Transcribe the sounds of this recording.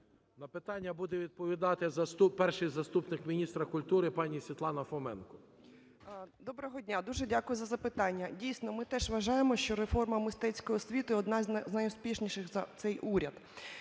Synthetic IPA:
nɐpɪt̪ɑnʲːɐbud̪ɛʋʲid̪̚pɔʋʲid̪ɑt̪ɪzɐst̪upɛrʃɪjzɐst̪upnɪkmʲinʲist̪ɾɐkʊlʲt̪uɾɪpɑnʲisʲʋʲit̪lˠɑnɐfɔmɛnkɔ | d̪ɔbɾɔɦɔdʲnʲad̪uʒɛdʲakʊjʊzɐzɐpɪt̪ɑnʲːɐdʲijsʲnɔmɪt̪ɛʒʋɐʒɑjemɔʃt͡ʃɔɾefɔrmɐmɪst̪ɛt͡sʲkɔjisʲʋʲit̪ʊɔd̪nɑzʲznɐjʊspʲiʃnʲiʃɪxzɐt̪sɛjʔuɾʲɐd̪

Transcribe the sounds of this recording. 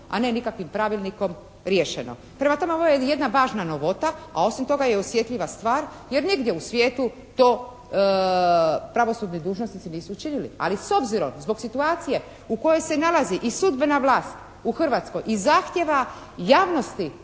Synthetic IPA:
a̰nenikakʋimpɾaʋilˠniko̞m | ɾjeʃeno̞̰ | pɾe̞mat̪omeoʋojeje̞d̪naʋaːʒnano̞ʋo̞t̪aa̰o̞simt̪o̞ɡajeosʋje̞t̪ʎʲiʋast̪ʋaːɾ | je̞ɾniɡd̪jeusʋjeːt̪u | t̪o̞ː | pɾaʋo̞suːd̪nid̪uːʒno̞snit̪siniːsuːt͡ʃinilḭa̰liso̞bziɾo̞mzbo̞ɡsit̪uaːt̪sije̞ | uko̞jojse̞nalaziʔisud̪be̞naʋlˠaːst̪ | uxr̩ʋat̪sko̞jizaːxt̪je̞ʋa | jaːʋno̞st̪i

